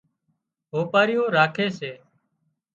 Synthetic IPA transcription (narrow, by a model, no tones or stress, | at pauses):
ɦoːpaːɾɪjõːɾaːkʰeːseː